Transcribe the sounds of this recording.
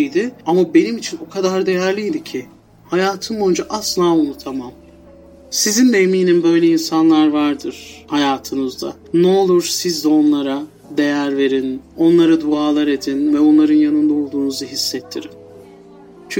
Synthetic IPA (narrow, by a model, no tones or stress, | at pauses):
ijd̪ɪamabe̞nimit͡ʃʰino̞kʰad̪aɾd̪e̞jæɾlʲijd̪icʰɪ | hajaːt̪ʰɯmbo̞jund͡ʒaʔaslˠaːunut̪ʰamam | sizind̪ɛemiːnimbø̞jlʲeinsanlˠaɾvaɾd̪ɯɾ̥hajaːt̪ʰɯnɯzd̪a̰ | nɛo̞lˠuɾsizd̪ɛo̞nlˠaɾa | d̪e̞jæɾve̞ɾino̞nlˠaɾad̪uaːlˠaɾe̞d̪invɛo̞nlˠaɾɯnjanɯnd̪ao̞lˠd̪uːnuzaɦisːɛt̪ʰːiɾim | t͡ʃʰy